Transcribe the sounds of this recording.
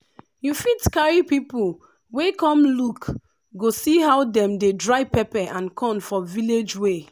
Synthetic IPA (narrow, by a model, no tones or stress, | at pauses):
jufitkaɹipipul | wekɔ̃mluk | ɡosiɦawdɛ̃mdedɹaɪpɛpɛʔãnkʰɔ̃nfɔviled͡ʒwe